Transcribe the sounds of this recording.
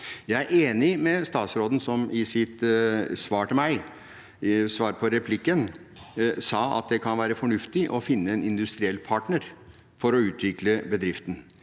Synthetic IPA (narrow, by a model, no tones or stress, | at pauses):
jæɪæɾʔeːnɪmɛst̪ɑːt̪sɾoːd̪n̩sɔmɪsɪt̪sʋɑːʈəmæɪ | sʋɑːɾpʰɔɾɛpʰlɪkːən | sɑːɑ̰t̪̚d̪ɛkʰɑnʋæːɾəfɔɳʉft̪ɪʔɔfɪnːəɛnɪnd̪ʉst̪ɾɪɛlːpʰɑːʈɳəɾ | fɔɾɔʉːt̪ʋɪkləbəd̪ɾɪft̪n̩